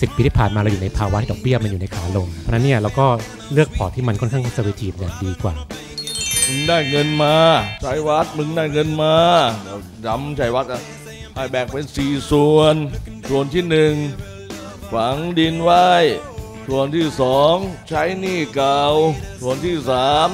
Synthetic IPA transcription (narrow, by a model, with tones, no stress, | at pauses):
si˨˩pːiː˧iː˥˩aː˨˩nmaː˧ɾa˧wjuː˨˩na˧jpʰaː˧wa˦˥t̪i˥˩ɔː˨˩k̚bi˥˩ɐma˧njuː˨˩na˧jkʰaː˩˦lo˧mʰɔ˧˦na˦˥nːi˥˩ɐɾaː˧wkɔː˥˩ | lɯ˥˩ək̚pʰɔː˨˩t̪ʰiː˥˩ma˧nkʰɔ˥˩nkʰaː˥˩ŋkʰːt͡ɕa˧˥˩wi˦˥t̪ʰiː˧˩˨jaː˨˩ŋdiː˧kwa̰ː˨˩ | mɯ˧ŋdaː˥˩jŋɤ˧nmaː˧t͡ɕʰa˦˥jwa˦˥t̪̚mɯ˧ŋdaː˥˩jŋɤ˧nmaː˧dɛː˦˥˩w | ja˦˥mt͡ɕʰa˦˥jwa˦˥t̪̚ʔa˧˩ | ʔaː˧˩jbɛː˨˩k̚pe˧nsiː˨˩su˨˧ənsʰu˨˩ənt̪ʰiː˥˩nɯ˨˩ŋ | kʰa˨˩˦ŋdi˧nwa˦˥˩j | t̪ʰu˨˩ənt̪ʰiː˥˩sɔː˨˩˦ŋt͡ɕʰa˦˥jniː˥˩ka˨˩wt̪ʰu˨˩ənt̪ʰiː˥˩saː˨˩˦m